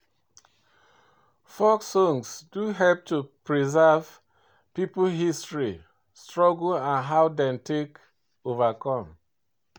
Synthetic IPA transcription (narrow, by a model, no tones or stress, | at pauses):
fɔksɔ̃ŋsduɦɛlp̚tupɹizav̥ | piplɦistɹi | stɹɔɡulãnɦaʊdɛ̃mtʰek | ovakʰɔ̃m